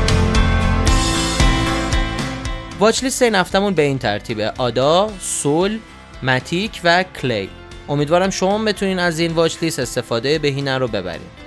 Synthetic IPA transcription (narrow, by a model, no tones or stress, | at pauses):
vɒːt͡ʃliːseinæft̪æmunbe̞iːnt̪ʰæ̰ɾt̪ʰiːbeʔɒːd̪ɒːsol | mæt̪ʰiːcʰvækʰlḛj | ʔo̞mid̪vɒːɾæmʃo̞mɒːmbet̪ʰuniːnæziːnvɒːt͡ʃliːse̞st̪e̞fɒːd̪ejebe̞ɦiːnæɾobe̞bæ̰ɾḭːm